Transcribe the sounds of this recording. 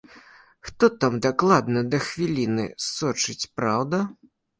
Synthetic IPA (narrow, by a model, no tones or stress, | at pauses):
xt̪ɔt̪amd̪aklˠad̪nɐd̪ɐxvʲilʲinɨ̰sɔt͡ʂɨt͡sʲpɾawd̪ɐ